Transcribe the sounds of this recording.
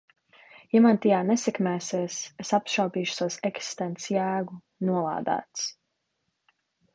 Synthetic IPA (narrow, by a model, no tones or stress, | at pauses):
jamant̪ijaːnɛsɛkmæːsiɛsesapʃawp̪iːʃu̥sawsɛksi̥st̪ɛnt̪sjæːɡu | nuɔlˠa̰ːd̪æ̰ːt̪s